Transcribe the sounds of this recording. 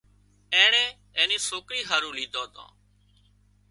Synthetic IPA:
ẽːɳeː | ẽːniːsoːkɾiːɦaːɾũːlĩːd̪oːt̪õ̰ː

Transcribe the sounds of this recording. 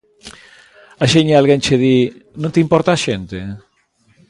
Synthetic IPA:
aʃeɲealɣent͡ʃeðinõnt̪impɔɾt̪aaʃent̪e

